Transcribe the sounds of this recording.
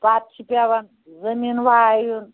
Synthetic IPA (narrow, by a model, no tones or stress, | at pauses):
pat̪̚t͡ʃʰipaβan | zəminwajun